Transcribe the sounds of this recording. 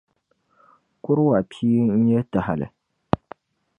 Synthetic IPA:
kʊ˦ɾwa˨pʰiː˦n̩˦ɲɛ˦ta˨ha˨lɨ̰˨

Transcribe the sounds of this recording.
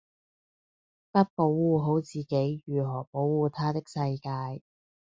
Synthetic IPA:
pɐ˥t̚po˨˥wwuː˨ɦo˨˥wt͡siː˨ke˨˥jjyː˨˩ɦɔː˨˩po˨˥wwuː˨t̪ʰaː˥t̪ɪ˥k̚sɐ˧jkaː˧j

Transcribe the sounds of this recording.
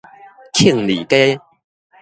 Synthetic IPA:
kʰi˥˨ŋli˨˩ke˥˦˥

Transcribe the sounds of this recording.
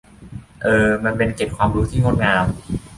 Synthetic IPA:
ʔɤː˨˩ma˧npe˧nt͡ɕe˨˩t̪̚kʰwaː˧mɾuː˦˥t̪ʰiː˥˩no˦˥˩ŋaː˧m

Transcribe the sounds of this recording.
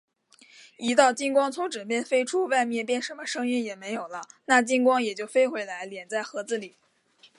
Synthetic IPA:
i˧˥t̪ɑ˥˩ʊt͡ɕi˥nkwɑ˥ŋt͡sʰʊ˧˥ŋʈ͡ʂɻ̩˨˩pjɛ˥˩nfe˥ɪʈ͡ʂʰu˥wa˥˧ɪmjɛ˥˩pjɛ˥˩nʂə˧˥nmə˧ʂɤ˥ŋi˥˩njɛ˨˩me˧˥ɪjo˨˩ʊlə˦na˥˩t͡ɕi˥nkwɑ˥ŋjɛ˨˩t͡ɕjo˥˩ʊfe˥ɪxwe˧˥ɪla˧˥ɪljɛ˨˩nt͡sa˥˩ɪxɤ˧˥t͡sɹ̩˥˩li˨˩˦

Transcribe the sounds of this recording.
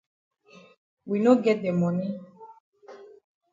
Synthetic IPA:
wi˨no˦ɡɛ˦de˨mɔ˨ni˦

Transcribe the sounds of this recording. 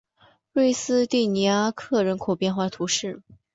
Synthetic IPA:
lwe˥˩ɪsɹ̩˥t̪i˥˩ni˧˥a˥kʰɤ˥˩ɻə˧˥nkʰo˨˩ʊpjɛ˥˧nxwa˥˩t̪ʰu˧˥ʂɻ̩˥˩

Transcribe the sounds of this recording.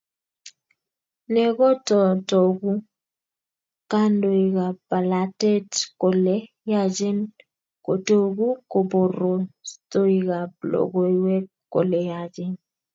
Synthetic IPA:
nɛ˨ɡɔ˦tɔ˨to˨ɡu˦ | ka˦ndo˨i˨ka˨pa˨la˨te˦tko˨lɛ˦ | ja˦˨d͡ʒe˦n | ko˨to˨ɡu˦ko˨bo˨ɾo˨to˦i˨ɡa˨blɔ̰˨ɡɔ˨i˨wɛ˦kkːo̰˨lɛ˨ja˨d͡ʒɛ˦n

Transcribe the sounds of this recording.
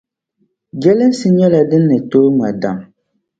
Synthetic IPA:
ɡɛ˦lɨ˦n˦sɨ˦ɲɛ˦la˨dɨ˦nːɨ˨toː˦ŋa˨da˨m

